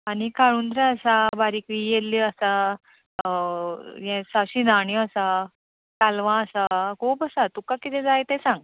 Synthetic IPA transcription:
anikaɭund̪ɾəəsabaɾikʋijelːiəsa | jɛ̃saɕinaɳ̃jəsa | kalʋãəsakʰuːpəsat̪ukakit̪ɛ̃d͡zajt̪ɛsãŋɡ

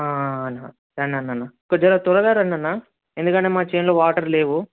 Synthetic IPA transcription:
aːna | ɾɐnːɐnːɐnːakɐd͡ʒɐlat̪uɾɐd̪aːɾɐnːɐnːa | end̪ukɐneːmaːt͡ʃejnlo̞ːʋaːʈɐɾle̞ːʋu

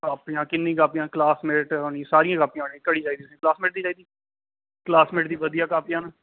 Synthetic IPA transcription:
kaːpijãːkɪnːĩːkaːpɪjãːklaːsmeːʈoːnĩsaːɾijãːɡaːpijãːonĩkəɽiːd͡ʒaːiːd̪iːsĩːklaːsmeːʈ̚d̪iːd͡ʒaːiːd̪iː | klaːsmeːʈd̪iːʋəd̪ijaːkaːpɪjãːnː

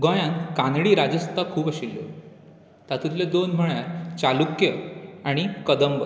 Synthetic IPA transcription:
ɡɔ̃jãnkãnɽiːɾad͡ʑəst̪ʰakʰuːpəɕilːo̰ | t̪at̪ʰut̪led̪onm̤əɳaɾt͡ɕalukjəaɽ̃ikəd̪əmbə

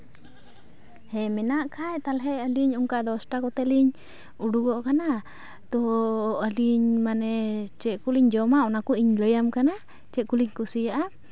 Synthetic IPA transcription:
hɛmɛnaʔkʰajt̪alɦɛəliɲuŋkad̪ɔsʈakɔt̪ɛliɲ | uɖuɡɔʔkana | t̪ɔʔaliɲmanɛt͡ʃɛʔkuliɲd͡ʒɔmaɔnakuiɲləjamkana | t͡ʃɛʔkuliɲkusiaʔa

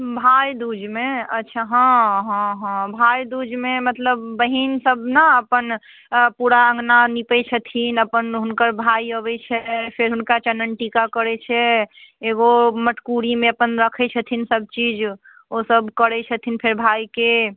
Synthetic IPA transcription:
bʱajd̪ud͡ʒmeətːt͡ʃʰaɦãɦɔ̃ɦə̃bʱajd̪ud͡ʒmemət̪ləbːəɦinsəbnaəpən | puɾaə̃ŋɡnanipɛt͡ʃʰət̪ʰinəpənɦunkəɾbʱaiəβɛt͡ʃʰɛpʰeɾɦunkat͡ʃənːənʈikakəɾɛt͡ʃʰɛeɡoməʈʰkuɾimẽəpənɾəkʰɛt͡ʃʰət̪ʰinsəb̚t͡ʃid͡ʒ | osəbkəɾɛt͡ʃʰət̪ʰinpʰeɾbʱajke

